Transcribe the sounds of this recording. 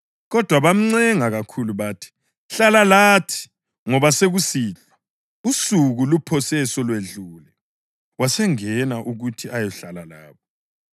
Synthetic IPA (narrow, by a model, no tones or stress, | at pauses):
ɣɔd̥ʱwaβam̩ŋ͡ǀɛŋaɣakʰuluβatʰi̥ | ɬalalaːtʰi̥ | ŋɔβaseɣusiːɮa | usuɣulupʰɔsɛsɔlweɮuːlɛ | wasɛŋɛnaʔuɣutʰiʔajɔɬalala̰ːβɔ